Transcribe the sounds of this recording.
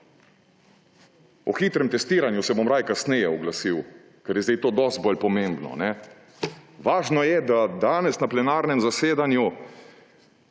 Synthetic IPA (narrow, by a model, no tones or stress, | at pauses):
ɔxiːt̪ɾɛmt̪ɛst̪iːɾanjusɛbomɾaːjkasnɛjɛɔɡlasiw | kɛɾjɛzd̪ejt̪oːd̪ɔst̪̚bɔlpɔmẽmbnɔ̰nɛ | ʋaːʒnɔjɛd̪ad̪aːnɛsnaplɛnaːɾnɛmzaseːd̪anju